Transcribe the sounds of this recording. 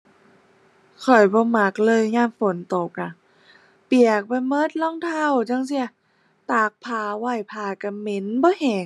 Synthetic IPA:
kʰɔ˨˩jbɔː˧˦ma˧˦˥k̚lɤː˧˨jɲaː˧˥˩mfo˨˦nt̪o˨˩k̚na˧˩ | pi˨˩ək̚pa˧jmɤ˦˥t̪̚lɔ˧˥˨ŋt̪ʰa˧˩˨wt͡ɕa˧˨ŋsi˧˩ə | t̪aː˨˩k̚pʰaː˧wa˧˩jpʰaː˧˩ka˧˩me˧˦nbɔː˧˦he˨˩ŋ

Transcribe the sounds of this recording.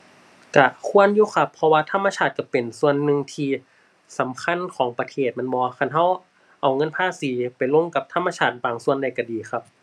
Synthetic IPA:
ka˧˩kʰu˧˥˨ənjuː˧˥˨kʰa˧˩pʰːɔ˧waː˧t̪ʰa˧˥mːa˧t͡ɕʰaː˧˩t̪̚ka˧˩pe˨˩nsu˧˨ənːɯ˧ŋt̪ʰiː˧ | sa˨˦mkʰa˧˥˨nkʰɔː˩˦ŋpa˧t̪ʰeː˧˩t̪̚ma˧˥˨nbɔː˧kʰa˧˨nɦa˧˥˩w | ʔa˨˩wŋɤ˧˥˨npʰaː˧˥˨siː˨˦pa˨˩jlo˧˥˨ŋka˧˦p̚t̪ʰa˧˥˨mːa˧t͡ɕʰaː˧˩t̪̚baː˨˩ŋsu˧˨ənda˧˩jka˧˩diː˨˩xʰa˧p̚

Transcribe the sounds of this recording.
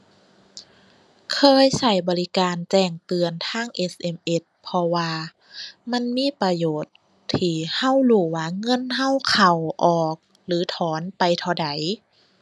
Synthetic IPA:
kʰɤː˧˨jsa˧˩jbɔː˨˧li˧kaː˨nt͡ɕɛː˧˩ŋt̪ɯ˨˧ənt̪ʰaː˧˥˩ŋʔe˧˥sʔe˧˩mʔe˧˥t̪̚pʰɔ˧waː˧ | ma˧˥˨nmiː˧˥˨pa˧joː˨˩t̪̚ʰː | iː˧˩ha˧˥˨wluː˧˩waː˧˩ŋɤ˧˥˨nɦa˧˥˨wkʰa˨˩wʔɔː˨˩k̚ | lɯː˨˦t̪ʰɔː˨˦npa˨jt̪ʰa˧˩wda˨˦j

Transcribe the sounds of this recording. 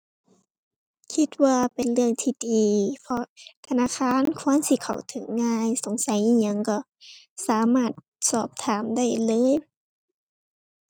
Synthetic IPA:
kʰi˧t̪̚waː˧pe˨nlɯ˧˩əŋt̪ʰiː˧diː˨pʰɔ˧t̪ʰa˧naː˧˨xʰaː˧˥˨nkʰu˧˥ənsi˧˦kʰa̰˨˩wt̪ʰɯ˨˩˦ŋːaː˧jso˨˦ŋsa˨˦jʔiː˧˩ɲa˧˨ŋkɔ˧˩ | saː˨˦maː˧˩t̪̚ | sɔː˧˩p̚t̪ʰaː˨˦mda˥˩jlɤː˧˥˨j

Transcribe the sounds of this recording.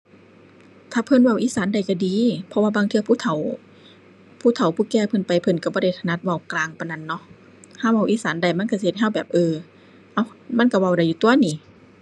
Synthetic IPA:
t̪ʰaː˧pʰɤ˧˨nwa˧˩wʔiː˧˥˨saː˨˦nda˨˩jka˧˩diː˨˦pʰɔ˧waː˧˨baː˧˨ŋt̪ʰɯ˧˨pʰuː˧˥˨t̪ʰa˨˦w | pʰuː˧˩˨t̪ʰa˨˩wpʰuː˧˩˨kɛː˧˩pʰɤ˧˨npa˨jpʰɤ˧˨nka˧˩bɔː˧˦ɾa˧˩jt̪ʰa˧na˧˥t̪̚wa˧˩wklaː˧˩ŋpa˧˨jna˧˩˨nːɔ˧˥ | haː˧˥˨wa˧˩wʔiː˧˥˨saː˨˦nda˧˩jma˧˥˨nka˧˩si˧ht̚ha˧˥˨wbɛː˨˩p̚ʔɤː˧ | ʔa˧˩wma˧˥˨nka˧˩wa˧˩wda˧˩jːuː˧t̪u˧ɐ˨niː˧˩

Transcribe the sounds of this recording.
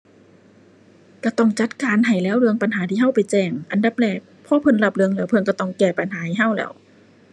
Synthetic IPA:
ka˧˩t̪ɔ˧˩ŋt͡ɕa˧˦t̪̚kaː˨˦nɦa˨˩jlɛː˧˥˩wlɯ˧əŋpa˨nhaː˨˦t̪ʰiː˧˩ɦa˧˥˩wpa˨jt͡ɕɛː˧˩ŋʔa˨nda˧˦p̚lɛː˧˩k̚pʰɔː˧˥pʰɤ˧˨nla˧˩p̚lɯ˧əŋlɛː˧˩wpʰɤ˧˨nka˧˩t̪ɔ˧˩˨ŋkɛː˧˩pa˨nhɦaː˨˦ha˨˩jɦa˧˥˩wlɛ̰ː˧˩w

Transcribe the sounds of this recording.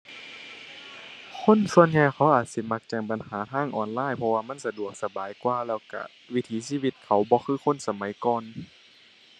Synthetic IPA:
kʰo˧˥˨nsu˧ənɲaː˧˨jkʰa˨˦wʔaː˨˩t̪̚si˧˦ma˧˥k̚t͡ɕaː˨˩k̚ba˨nhaː˨˦t̪ʰaː˧˥˩ŋʔɔ̰ː˨˩nlaː˧˥˨jpʰɔ˧waː˧ma˧˥˨nsa˧du˨˩ək̚sa˧baː˨˦jkwaː˧lɛː˧˩wka̰˧˩ | wi˧˥t̪ʰiː˨˦siː˧˩˨wi˧t̪̚kʰa˨˩wbɔː˧˦xʰɯː˧˥˨xʰo˧˥˨nsa˧ma˨˦jkɔː˧n

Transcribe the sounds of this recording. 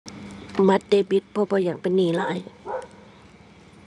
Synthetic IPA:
ma˧˥t̪̚de˧bi˧˦˥t̪̚pʰɔ˧bɔː˧˦ja˧˩ŋpe˧˨nːiː˧˩laː˧˦˨j

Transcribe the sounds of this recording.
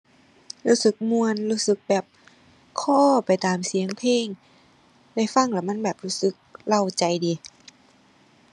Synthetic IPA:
luː˧˥sɯ˨˩k̚mu˧ənluː˧˥sɯ˧˦k̚bɛː˨˩p̚ | kʰɔː˧˩pa˨jt̪aː˨˩msi˨˦əŋpʰeː˧˩ŋ | da˧˥˩jfa˧˥˨ŋla˧˩ma˧˥˨nbɛː˨˩p̚ɾuː˦˧˥sɯ˧˦k̚la˧˩wt͡ɕa˨jdiː˨

